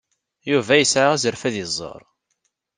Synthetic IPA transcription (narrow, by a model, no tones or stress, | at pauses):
juvæjəsʕaʁæzəɾfæðizˤːə̰ɾˤ